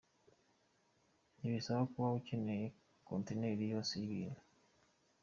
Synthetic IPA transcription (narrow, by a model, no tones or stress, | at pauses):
niβisaβakuβaβucine | konteneɾijoseiβiːnu